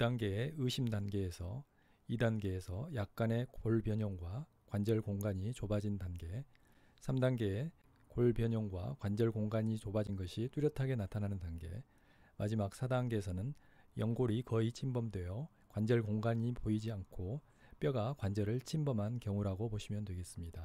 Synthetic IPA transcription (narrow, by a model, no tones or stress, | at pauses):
idaŋɡe̞eɯɕʰimdanɡe̞ːsʰʌ | idanɡe̞ːsʰʌjak̚k͈ane̞koɭbjʌɲʌŋɡwa | kwand͡ʑʌɭkoŋɡaɲit͡ɕobad͡ʑindanɡe̞ | sʰamdaŋɡe̞e | koɭbjʌɲʌŋɡwakwand͡ʑʌɭkoŋɡaɲit͡ɕobad͡ʑinɡʌɕʰit͈uɾjʌtʰaɡe̞natʰanɦanɯndanɡe̞̰ | mʔad͡ʑimak̚sʰadaŋɡe̞sʰʌnɯnjʌŋɡoɾikʌit͡ɕʰimbʌmdwejʌ | kwand͡ʑʌɭkoŋɡaɲipoid͡ʑiankʰo | p͈jʌɡakwand͡ʑʌɾɯɭt͡ɕʰimbʌmɦankjʌŋuɾaɡopoɕʰimjʌntwe̞ɡe̞s͈ɯmɲida